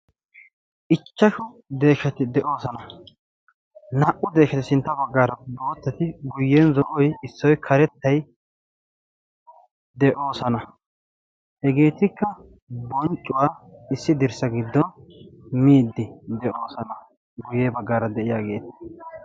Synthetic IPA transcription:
ʔɪt͡ʃːɐʃʊ | d̪e̞ːʃɛt̪ɪd̪ɛʔo̞ːsɐnɐ | nɐʔʊd̪e̞ːʃɛt̪ɪsɪnt̪ːɐbɐɡːaːɾɐboːt̪ːɛt̪ɪɡʊjːɛnzɔʔɔjɪsːɔjkʰɐɾɛt̪ːɐj | d̪ɛʔo̞ːsɐnɐ | hɛɡe̞ːt̪ɪkːɐ | bɔnt͡ʃʼːʊwaːɪsːɪd̪ɪɾsɐɡɪd̪ːɔnmiːd̪ːɪd̪ɛʔo̞ːsɐnɐ | ɡʊjːɛːbɐɡːaːɾɐd̪ɛʔɪjaːɡe̞ːt̪ɪ̥

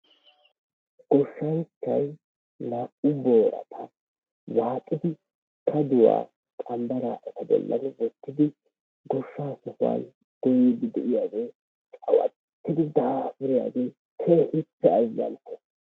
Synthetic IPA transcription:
ɡ̥ɔʃːɐnt͡ʃːɐj | laʊboːɾɐ̰t̪ʰɐ | waːkʼːɪd̪ɪ | kʰɐd̪ʊwa̰ː | kʼɐmbɐɾaːʔɛt̪ɐbɔ̰lːɐ̰nwɔt̪ːɪd̪ɪ | ɡɔʃːaːsɔfʊa̰n | ɡ̥ɔjɪd̪ɪd̪ɛʔɪjaːɡeː | t͡ʃʼɐwɐ̰ | t̪ːɪd̪ɪd̪aːfɪɾɪja̰ːɡeː | kʰɛʔɪpːɛɐzːɐ̰ntʰːɛ̥

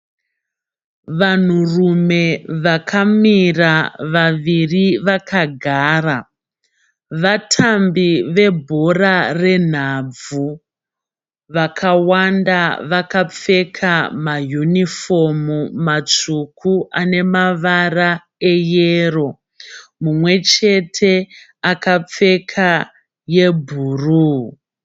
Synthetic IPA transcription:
ʋan̤urume̞ʋakʰamiraʋaʋiriʋakaɡʱaːra | ʋatʰambiʋe̞bʱo̞rare̞n̤ab͡vu | ʋakʰawandaʋakap͡fe̞kʰamajunifo̞mumat͡ʂukʰuʔane̞maʋara | e̞jero̞ | mumwe̞t͡ʃe̞tʰe̞ | akap͡fe̞kʰa | je̞bʱuːru

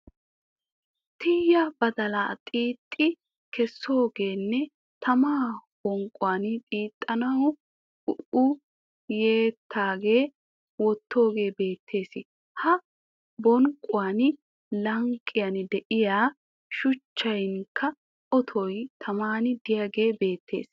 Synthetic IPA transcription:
t̪ɪjːɐbɐd̪ɐlat̪ʼiːt̪ʼːɪ | kɛsːo̞ːɡe̞ːnːɛ | t̪ʰɐmaːb̥ɔŋkʼʊwaːnt̪ʼiːt̪ʼːɐnɐwɔ | ʊʊ | jeːt̪ʰːaːɡe̞ː | wɔt̪ːo̞ːɡe̞ːbe̞ːt̪ʰːe̞ːs | hɐ | bɔŋkʼːʊwaːnɪ | lɐŋkʼːɪjɐnɪd̪ɛʔɪjaː | ʃʊt͡ʃːɐjŋkʰːɐ | ʔɔt̪ʰɔjt̪ʰɐmaːnɪd̪ɪjaɡe̞ːbe̞ːt̪ʰːe̞̰ːs

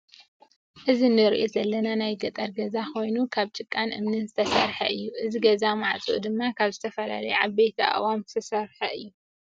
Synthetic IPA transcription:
ʔɨzinɨɾiʔozɐlːɐnanajɡɐt̪ʼɐɾɡɐzakʰo̞jnukʰaβt͡ʃʼɨkʼːanʔɨ̰mnɨnzɨt̪ʰɐsɐɾħɐʔɨjːuʔɨziɡɐzamaʕt͡sʼuʔṵd̪ɨmːakʰaβzɨt̪ʰɐfɐla̰lɐjuʕaβbejt̪ʰiʔa̰wamzɨ̥t̪ʰɐsɐɾħɐʔɨjːu

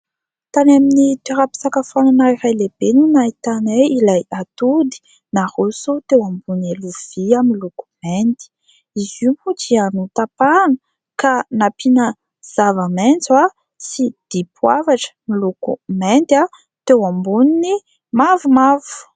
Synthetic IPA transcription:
t̪anaminit̪iɾapi̥sakəfananaiɾajleb̥enunait̪aneilajat̪ud̪i̥ | nahusut̪ewambuneluv̥iamiluku̥mɛnt̪i̥ | izumuʈ͡ʂianut̪apanə | kanapʰinə | z̥avəment͡sa | sid̪̥ipʰwavaʈ͡ʂə̥milukumɛnt̪a | t̪ewambunini | mavumav̥u̥

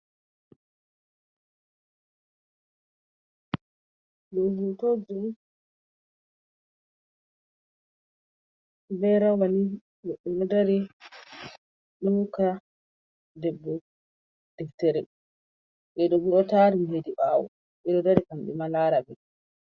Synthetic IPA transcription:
ɗɔhutod͡ʒum | bɛɾawani | ɛɗːɛɗɔdaɾi | ɗɔka | dɛbːɔ | d̥ɛftɛɾɛ | ʔɛɗɔɡiɗɔtaɾimhediɓawɔ̰ | ɓɛɗɔdaɾikamɓɛ̰malaːɾabɛ

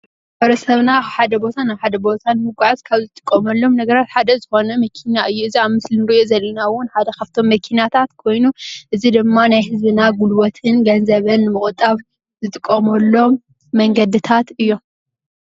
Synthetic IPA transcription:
ħɐβɾɐsɐβnaħad̪ɐbo̞t̪ʰanajħad̪ɐbo̞t̪ʰanmɨɡaʕazkʰaβzɨt̪ʼɨ̥kʼːɐmɐlːo̞mnɐɡɐɾat̪ħad̪ɐzɨxo̞nɐmɐkʰinaɨjːuɨziaβmɨslinɨɾiʔozɐlːɐnawːʊnħad̪ɐxɐft̪ʰo̞mːɐkʰinat̪ʰat̪kʰo̞jnuʔɨzid̪ɨmːanajhɨzbɨnaɡulwot̪ʰɨnɡɐnzɐβɐnːɨmɨχʼt̪ʼːɐβ | zɨt̪ʼɨkʼːɐmɐlːo̞mː | ɐŋɡɐd̪ɨt̪ʰat̪ɨjːo̞m

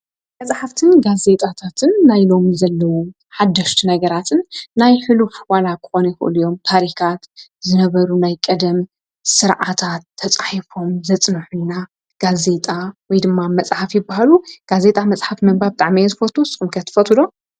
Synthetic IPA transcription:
mɐt͡sʼħaft̪ʰɨnɡaze̞t̪ʼat̪ʰat̪ʰɨnːajlo̞mizɐlːɐwo | ħad̪ːɐʃt̪ʰinɐɡɐɾat̪ʰɨnːajħɨlufwalakʰɨ̥xo̞nɐjxɨ̰ʔɨ̰lujo̞mt̪ʰaɾikʰat̪zɨnɐβɐɾunajkʼɐd̪ɐm | sɨɾʕat̪ʰat̪ʰːɐt͡sʼaħifo̞mzɐt͡sʼnɨħujna | ɡ̥aze̞t̪ʼawɔjd̪ɨmːamɐt͡sʼħafjɪbːahaluɡ̥aze̞t̪ʼamɐt͡sʼħafmɐmbabɨt̪ʼaʕmijɛzɨfɐt̪ʰosʼɨxʼmkʰɐt̪ʰːɨ̥fɐt̪ʰɨlo

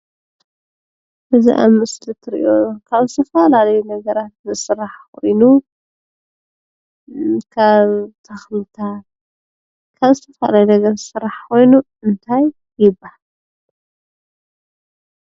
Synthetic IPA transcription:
ʔɨziʔa̰mɨslit̪ʰɨɾḭʔo̞kʰaβzɨt̪ʰɐfalalɐjunɐɡɐɾat̪̚zɨsɨɾaħkʰo̞jnu | kʰaβt̪ʰɐxlɨt̪ʰat̪ | kʰaβzɨt̪ʰɐfɐla̰lajunɐɡɐɾsɨɾːaħkʰo̞jnu | ɨnt̪ʰajː | ɪbːahal

